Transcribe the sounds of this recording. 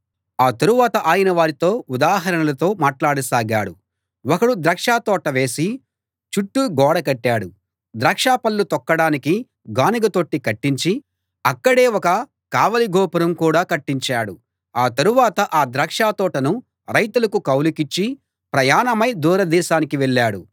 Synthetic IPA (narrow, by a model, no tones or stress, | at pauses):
aːt̪ɐɾuʋaːt̪ɐʔaːjɐnɐʋaːɾit̪o̞ːud̪aːɦɐɾɐɳɐlɐt̪o̞ːmaːʈlaːɽusaːɡaːɽu | ɔkɐɽud̪ɾɐːkʂaːt̪ɔːʈɐʋe̞ːsi | t͡ʃuʈːuɡɔːɽɐkɐʈːaːɽu | d̪ɾɐːkʂaːpɐlːut̪ɔkːɐɽaːniki | ɡaːniɡɐt̪o̞ːʈːikɐʈːiɲt͡ʃi | ɐkːɐɽe̞ːwɔkɐ | kaːʋɐliɡɔːpɐɾɐmkuːɽaːkɐʈːiɲt͡ʃaːɽu | aːt̪ɐɾuʋaːt̪ɐʔaːd̪ɾɐːkʂaːt̪ɔːʈɐnu | ɾɐjt̪ulɐkukɐwlikit͡ʃːi | pɾɐjaːnɐmɐjd̪uːɾɐd̪ɛːʃaːnikiʋɛɭːaːɽu